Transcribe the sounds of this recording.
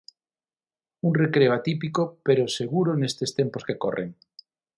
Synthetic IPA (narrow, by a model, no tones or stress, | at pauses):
uŋrekɾeoat̪ip̬ikopeɾoseɣuɾonest̪est̪emposkeko̰rḛŋ